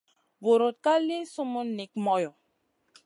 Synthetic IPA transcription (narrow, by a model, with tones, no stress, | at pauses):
vo˨ɾo˨t̚ka˦le˦so˦mo˦ne˨k̚mɔ˦jɔ˨